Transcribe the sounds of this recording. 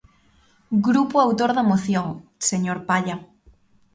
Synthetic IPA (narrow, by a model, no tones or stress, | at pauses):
ɡɾupuawt̪oɾðamoθjoŋseɲoɾpaʎa